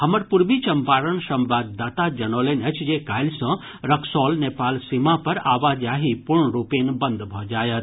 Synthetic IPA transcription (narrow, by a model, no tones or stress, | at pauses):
ɦɐməɾpuɾbit͡ʃɐmpaːɾəɳsɐ̃mbaːd̪ːaːt̪ad͡ʒɐnoːlenət͡ʃʰd͡ʒekaːjlsɐ̃ | ɾɐkʰsɔːlneːpaːlsimãpɐɾaːʋaːd͡ʒaːɦipuɾɳɾupeːnbənd̪bʱɔd͡ʒaːjət̪